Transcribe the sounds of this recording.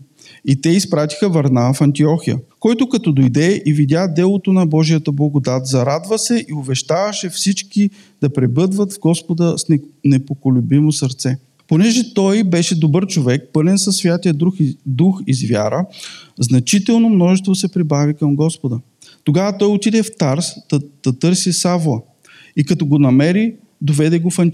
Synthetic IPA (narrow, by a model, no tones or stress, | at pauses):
it̪ɛispɾat̪i̥xəvɐɾnafɐnt̪iɔxijə̰kɔjt̪ʊkɐt̪ɔd̪ojd̪ɛivid̪ʲjad̪ɛlˠot̪onɐbɔʒijət̪əblˠɐɡod̪at̪zɐɾad̪vəsɛʔiʊbɛʃt̪avɐʃɛfsit͡ʃki | d̪̥ɐpɾɛbɤd̪vət̪vɡɔspod̪əsnnɛpokolʲʊbimosɐɾt̪sɛ | ponɛʒɛt̪ɔjbɛʃɛd̪obɤɾt͡ʃovɛk̚pɤlɛnsɐsːvʲjat̪ijəd̪ɾuxd̪uxizvja̰ɾəznɐt͡ʃit̪ɛlˠnomnɔʒɛst̪vosɛpɾibavikɐmɡɔspod̪ə | t̪oɡavət̪ɔjot̪id̪ɛft̪aɾsd̪d̪̥ɐt̪ɤɾsisavlˠə | ikɐt̪ɔɡonɐmɛɾi | d̪ovɛd̪ɛɡofɐn